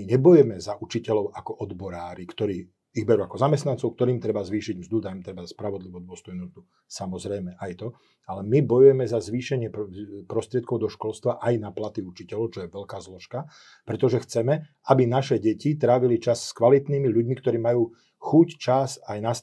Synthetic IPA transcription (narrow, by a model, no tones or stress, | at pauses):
ɲɛbɔjɛmɛzaʔut͡ʃicɛlɔʊakɔʔɔd̪bɔɾaːɾikt̪ɔɾiː | iɣbɛɾuakɔzamɛst̪nant͡sɔʊk̚t̪ɔɾiːmt̪ɾɛbazʋiːʃiɟmzd̪ud̪ajmt̪ɾɛbaspɾaʋɔd̪liʋɔd̪ʊɔst̪ɔjnuːmzd̪u | samɔzɾɛjmɛʔajt̪ɔ | alɛmibɔjujɛmɛzazʋiːʃɛɲɪɛppɾɔst̪ɾɪɛt̪̚kɔʊd̪ɔʃkɔlst̪ʋaʔajnaplat̪iut͡ʃicɛlɔʊt͡ʃɔjɛʋɛʎkaːzlɔʃka | pɾɛt̪ɔʒɛxt͡sɛmɛ | abinaʃɛɟɛcit̪ɾaːʋilit͡ʃasːkʋalit̪niːmiʎuɟmikt̪ɔɾiːmajuː | xuct͡ʃasajnas